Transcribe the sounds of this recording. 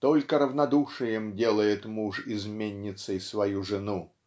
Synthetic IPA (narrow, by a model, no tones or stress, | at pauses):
t̪olʲkəɾəvnɐd̪uʂɨjɪmdʲelˠəjɪt̪muʂɪzmʲenʲːɪt̪səjsvɐjuʐɨnu